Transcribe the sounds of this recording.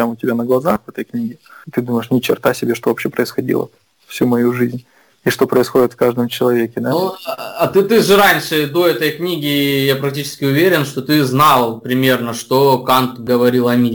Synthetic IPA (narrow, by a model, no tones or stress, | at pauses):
pɾʲamʊtʲɪbʲanəɡlˠɐzaxvɛt̪əjknʲiɡʲɪt̪ɨd̪uməjɪʂnʲɪt͡ɕɪ̰rt̪asʲɪbʲeʂt̪ovɐpɕːepɾəɪsxɐdʲḭlˠə̰ | fsʲumɐjuʐɨzʲnʲ | iʂt̪o̞pɾəɪsxo̞dʲɪt̪fkaʐd̪əmt͡ɕɪlˠɐvʲekʲɪd̪anɐt̪ɨt̪ɨʐɨɾanʲʂɨd̪o̞ɛt̪əjknʲiɡʲɪjapɾɐk̚tʲit͡ɕɪ̥skʲɪʊvʲeɾʲɪnʂt̪o̞t̪ɨznɑlˠpɾʲɪmʲe̞rnəʂt̪o̞kant̪ɡəvɐɾʲilˠɐmʲi